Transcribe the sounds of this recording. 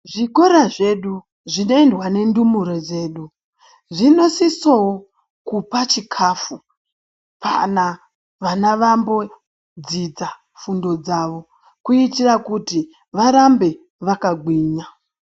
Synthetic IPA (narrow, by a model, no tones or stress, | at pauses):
ʐiko̞ɾaʐe̞ɗu | ʐino̞endwane̞ndumuɾod͡ze̞ːɗu | ʐino̞sisowo | kupat͡ʃikʰaːfu | pʰa̰na | ʋanaʋambo̞ | d͡zid͡za | fundo̞d͡zaʋo̞ | kuitirakuti | ʋaɾambe̞ | ʋakaɡʱwiːɲa